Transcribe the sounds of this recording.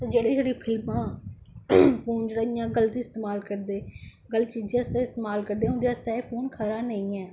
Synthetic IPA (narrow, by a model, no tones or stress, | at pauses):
t̪eːd͡ʒeːɽeːd͡ʒeːɽiːpʰɪlmãː | pʰoːnd͡ʒeːɽaːijãːɡəlt̪iːst̪eːmaːlkəɾd̪eːɡəlt͡ʃiːd͡ʒẽəst̪eːɪst̪eːmaːlkəɾd̪eːʊ̃nd̪eːəst̪ɛːepʰoːnkʰaːɾaːnəĩːɛː